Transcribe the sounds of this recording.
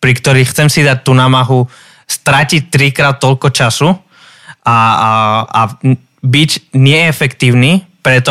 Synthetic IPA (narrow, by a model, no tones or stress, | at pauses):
pɾikt̪ɔɾiːxt͡sɛmsid̪ac̚t̪uːnaːmaɦu | st̪ɾacic̚t̪ɾikɾaːt̪̚t̪ːɔʎkɔt͡ʃasu | a | a | biɟɲɪɛɛfɛkt̪iːʊniːpɾɛt̪ɔ